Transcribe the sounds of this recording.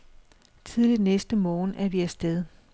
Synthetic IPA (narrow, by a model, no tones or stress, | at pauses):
t͡sʰið̞ˠlid̥nesd̥əmɒːn̩ʔæɐʋiæsd̥eðˠ